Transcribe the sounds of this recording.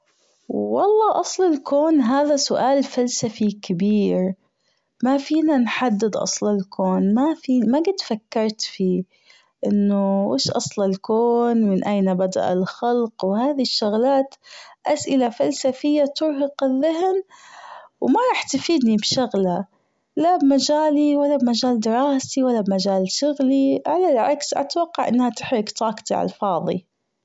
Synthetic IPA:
wːɑlˤːɑːʔɑsˤlɪlkoːnɦaːðasʊʔaːlfalsafikɪbiːɾ | mafiːnanħad̪ːɪd̪ʔɑ̰sˤlɪlkʰoːnmafiːmaɡɪd̪fakːɑɾˤt̪fiː | ʔɪnːʊʔḛːʃʔɑ̰sˤlɪlkoːnmɪnʔajnabad̪a̰ʔa̰lxɑlqwhaːðiʃːʊɣlaːt̪ʔasʔɪlafalsafɪjːat̪ʊɾɦɑqɪðːaɦn | wmaɾˤɑːħt̪afiːd̪nibʃʊɣla | labmad͡ʒaːliwalːabmad͡ʒaːld̪ɪɾˤɑːsiwalːabmad͡ʒaːlʃʊɣliʕalalʕa̰ksʔa̰t̪awɑqːɑʕʔɪnːhat̪ɪ̥ħɾɪɡt̪ˤɑːkt̪iʕɑ̰lfɑːðˤḭ

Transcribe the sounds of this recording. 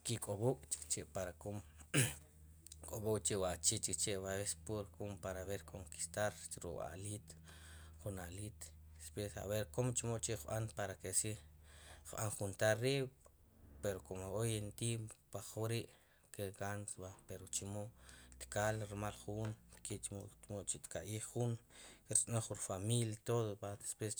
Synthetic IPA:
kikʼobukʼt͡ʃi̥kt͡ʃeʔpaɾakom | kʼobukʼt͡ʃewat͡ʃit͡ʃikt͡ʃeʔβaβespuɾkʰompaɾaβeɾkʰoŋki̥st̪aɾt͡ʃɾṵʔʼa̰ʔlit̪ | χunaʔlit̪spesa̰βeɾkomt͡ʃimoʔt͡ʃeʔχɓanpaɾakesi | χɓa̰ŋχunt̪aɾːiː | peɾokomoojent̪impaχuɾiʔ | keɡansabapeɾot͡ʃimoʔt̪kalɾmalχunkeʔt͡ʃmot͡ʃmoʔt͡ʃit̪kaʔiːχːunkeɾt͡sʼnoχunfamiljat̪oðopad̪espwes

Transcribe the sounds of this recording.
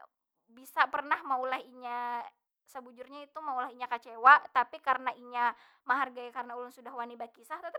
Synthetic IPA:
bisapərnahmaulahiɲa | səbud͡ʒʊrɲait̪umaulaɦiɲakat͡ʃewat̪apikaɾənaʔiɲa | maɦarɡajakaɾənaulʊnsudahwanibakisaht̪at̪

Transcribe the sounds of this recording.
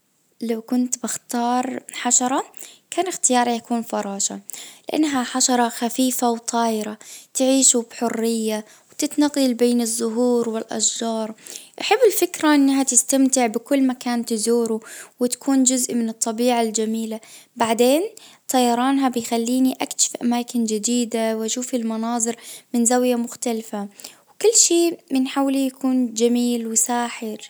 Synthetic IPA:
lawkʊnt̪bɪxt̪ɑːɾˤħaʃɑɾˤɑkʰaːnɪxt̪ɪjɑːɾˤɑjakuːnfɑɾˤɑːʃa̰lɪʔa̰nːɦaħaʃɑɾˤɑxafiːfawt̪ˤʰɑːjɪɾat̪ʕiːʃubħʊrːɪjːa | wt̪ɪt̪nɑɣɑlbeːnɪzːʊɦuːɾwɪlʔa̰ʃd͡ʒɑːɾˤʔaħɪbːɪlfɪkɾaʔɪnːɦat̪ɪst̪amt̪ɪʕbɪkʊlːmakaːnt̪ɪzuːɾuwɪt̪ḁkʰuːnd͡ʒʊzʔmɪnɨt̪ˤːɑbiːʕald͡ʒamiːlabaʕd̪eːnt̪ʰˤɑjɑɾˤɑːnɦabɪjxalːiːniʔakʃɪ̥fʔamaːkɪnd͡ʒɪd̪iːd̪awʔaʃuːfɪlmɑnɑːðˤɨɾmɪnzawjamʊxt̪alfawkʊlːʃiːmɪnħawlijakʰuːnd͡ʒamiːlwɪsaːħɪɾ

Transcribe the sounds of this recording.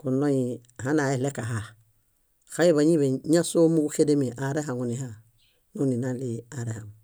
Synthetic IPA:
kunojihanaelekaɦa | xaiβaɲiβeɲasomuɡuxedemiʔaɾeɦaŋuniɦa | nuninaliaɾehaŋ

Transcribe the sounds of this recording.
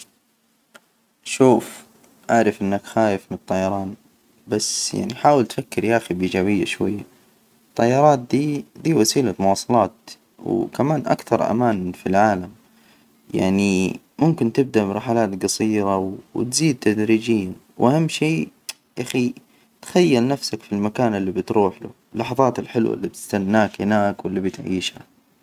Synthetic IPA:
ʃuːf | ʔaʕɾɪfʔɪnːakxaːjɪfmnɨt̪ˤːɑjːɑɾˤɑːn | basja̰ʕniħaːwɪlt̪fakːɪɾjaʔxibid͡ʒaːbɪjːa̰ʃwajːa | t̪ˤːɑjːɑɾˤɑːt̪̚d̪iːd̪iːwasiːlamʊwɑːsˤɑlɑːt̪ | wkamaːnʔa̰kθɑɾˤʔa̰maːnfilʕaːlam | ja̰ʕni | mʊmkɪnt̪ɪb̚d̪aʔbɾˤɑħalaːt̪ɡɑsˤiːɾaww̰t̪ziːd̪̚t̪ad̪ɾiːd͡ʒiːnwʔahamːʃiː | ʔaxi | t̪xajːalnafsakfilmakaːnɪlːibɪt̪ɾuːħlʊ̰ɪlːɑħɑðˤɑːt̪ɪlħɪlwa̰lːib̚t̪ɪ̥st̪anːaːkhɪnaːkwɪlːibɪt̪ʕḭːʃha̰

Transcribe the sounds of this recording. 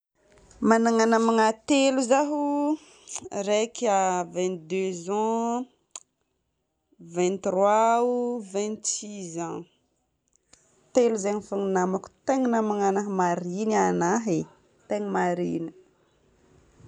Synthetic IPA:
manaŋanamaŋat̪eluzaɦu | ɾekavɛ̃nt̪̚d̪øzɑ̃ | vɛ̃nt̪rwauvɛ̃nt̪sizã | t̪eluzeŋifuŋinamaku̥t̪eŋinamaŋanaɦmaɾinanaɦe | t̪eŋimaɾini̥

